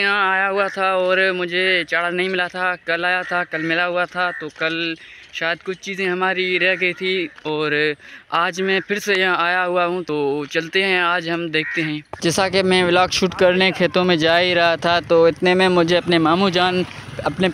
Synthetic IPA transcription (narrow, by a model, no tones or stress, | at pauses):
ɦãaːjaɦʊat̪ʰaɔːɾmʊd͡ʒʱet͡ʃaːɽanɐɦĩmɪlat̪ʰakɐlaːjat̪ʰakɐlmɪlaɦʊat̪ʰat̪oːkɐl | ʃaːjəd̪̚kʊt͡ʃʰt͡ʃiːzẽɦɐmaːɾiɾɛɦɡɐit̪ʰiɔːɾaːd͡ʒmɛ̃pʰɪɾsejɐɦãaːjaɦʊaɦũt̪oːt͡ʃɐlt̪eɦɛ̃aːd͡ʒɦɐmd̪eːkʰt̪eɦɛ̃ːd͡ʒɛːsakemɛ̃ʋɪlaːkʃuːʈkɐɾnekʰeːt̪õmẽd͡ʒaːiɾɐɦat̪ʰat̪oɪt̪nemẽmʊd͡ʒʱeɐpnemaːmũd͡ʒaːn | ɐpne